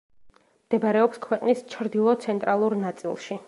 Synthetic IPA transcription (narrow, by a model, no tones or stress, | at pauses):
md̪̥ɛbɾɛɔpskʰwɛqʼnist͡ʃʰɾd̪ilˠɔt̪sʰɛnt̪ʼɾalˠuɾnat̪sʼḭlˠʃi